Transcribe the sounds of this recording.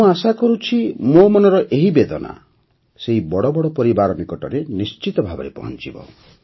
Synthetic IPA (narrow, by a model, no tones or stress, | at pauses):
uasakɔɾut͡ʃʰimomɔnɔɾɔʔeɦibed̪ɔ̰na̰ | seɦibɔɽɔbɔɽɔpɔɾibaɾɔnikɔʈɔɾenist͡ʃit̪ɔbʱabɔɾepɔ̰ɦɔnt͡ʃibɔ̰